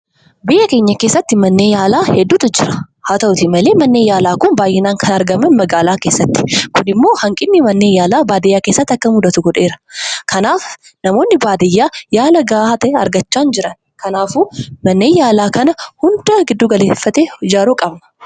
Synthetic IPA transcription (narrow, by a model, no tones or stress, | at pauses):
bɪjʔɐke̞ːɲːɐke̞ːsːɐt̪ːɪmɐnːe̞ːjaːlaːhɛd̪ːuːt̪ʊd͡ʒɪɾɐ̥ | haːt̪ɐʔʊt̪ɪmɐle̞ːmɐnːeːjaːlaːkʊnbaːjʔɛnaːŋkʰɐnɐɾɡɐmɐnmɐɡaːlaːke̞ːsːɐt̪ːɪ̥kʊnɪmːo̞ːhɐŋkʼɪnːɪmɐnːeːjaːlaːbaːd̪ɛjːaːkeːsːɐt̪ːɐkːɐmʊd̪ɐt̪ʊɡɔᶑe̞ːɾɐkʰɐnaːf | nɐmo̞ːnːɪbaːd̪ɛjːaːjaːlɐɡaːt̪ɐɛɐ̰ɾɡɐt͡ʃːaːnd͡ʒɪɾɐn | kɐnaːfuːmɐnːeːjaːlaːkɐnɐhʊnd̪ɐɡɪd̪ːuːɡɐleːfːɐt̪eːd͡ʒaːɾuːkʼɐbnɐ